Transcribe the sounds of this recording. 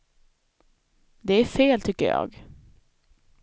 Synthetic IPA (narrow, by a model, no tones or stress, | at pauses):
d̪ɛæɾfeːlt̪ʰʏkːə̰ɾjɑ̰ːɡ